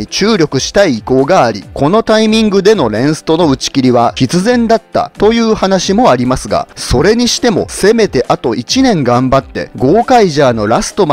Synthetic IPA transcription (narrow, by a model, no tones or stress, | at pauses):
it͡ɕɨːɾʲo̞kɯ̟ɕi̥t̪aiːko̞ːɡaːɾʲḭko̞no̞t̪aimʲĩŋɡɯ̟d̪e̞no̞ɾẽ̞ɰ̃sɨ̥t̪o̞no̞ɯ̟t͡ɕi̥kʲiɾʲiβaçʲit͡sɨzẽ̞nd̪at̪ːa̰t̪o̞jɯ̟ːhanaɕimo̞aɾʲimasɨɡa̰so̞ɾe̞ɲ̟iɕi̥t̪e̞mo̞̰se̞me̞t̪e̞ʔat̪o̞ʔit͡ɕinẽ̞ŋɡãmbat̪ːe̞̰ɡo̞ːkaiʑaːno̞ɾasɨ̥t̪o̞m